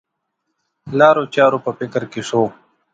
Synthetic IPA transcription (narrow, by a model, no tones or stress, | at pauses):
laːɾot͡ɕaːɾopəpɪkəɾkeʂoː